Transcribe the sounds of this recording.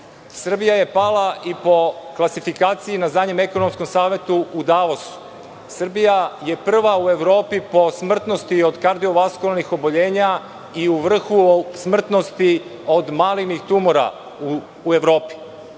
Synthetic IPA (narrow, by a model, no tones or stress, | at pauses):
sr̩bijaje̞palˠaʔipo̞klˠasifikaːt̪sijinazaɲeme̞konomsko̞msaːʋje̞t̪uːd̪aːʋosu̥ | sr̩bijaje̞pr̩ʋaue̞ʋɾo̞ːpipo̞smr̩t̪no̞st̪io̞d̪kaɾd̪io̞ʋaskulnixo̞boʎe̞ːɲa | iuʋr̩xusmr̩t̪no̞st̪io̞d̪maːlinixt̪umoɾa̰ | ue̞ʋɾo̞ːpi̥